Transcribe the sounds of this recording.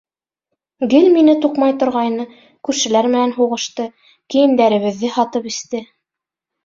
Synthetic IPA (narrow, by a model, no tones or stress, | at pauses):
ɡɘlminɘt̪uqmɑjt̪ŏɾʁɑjnɤ | kʉɾʃɘ̆læɾmɘ̆nænɦuʁɤ̆ʃt̪ɤ | kijɘ̆nd̪æɾɘ̆βɘ̆ðːɘhɑt̪ɤpɘ̆st̪ɘ